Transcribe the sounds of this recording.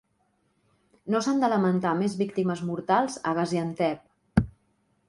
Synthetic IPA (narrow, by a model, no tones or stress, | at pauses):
nosand̪ələmənt̪amezβikt̪iməzmuɾt̪alˠzəɣəziənt̪ɛp̚